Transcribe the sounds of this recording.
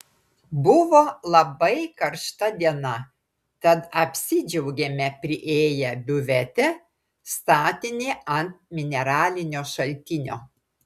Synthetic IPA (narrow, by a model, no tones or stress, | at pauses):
bʊʋoːlˠɐbɐɪkɐɾʃt̪ɐd̪ʲiɛnɐ | t̪ɐt̪ɐpʲsʲɪd͡ʒʲɛʊɡʲɛmʲɛpʲɾʲɪʔeːjɛbʲʊʋʲɛt̪ʲɛ | st̪ɑːt̪ʲɪnʲeːɐnt̪̚mʲɪnʲɛɾɑːlʲɪnʲoːʃɐlʲt̪ʲɪnʲo̰ː